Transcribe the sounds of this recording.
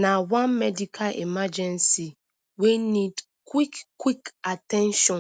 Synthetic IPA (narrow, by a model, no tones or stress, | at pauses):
nawãnmɛdikʰalʔḭmad͡ʒɛ̃nsi | wenid | kwikkːwikatɛ̃nʃɔ̃